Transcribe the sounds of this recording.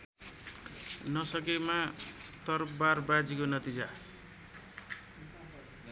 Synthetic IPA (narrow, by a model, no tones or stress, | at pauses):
nʌsʌk̬emat̪ʌrbarbad͡zikonʌt̪id͡za